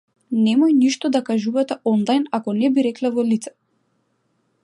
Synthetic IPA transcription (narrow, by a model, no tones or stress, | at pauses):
nɛmɔjniʃt̪ɔd̪akaʒuvat̪ɛɔnlˠajnakɔnɛbiɾɛklɛvɔlit̪sɛ̥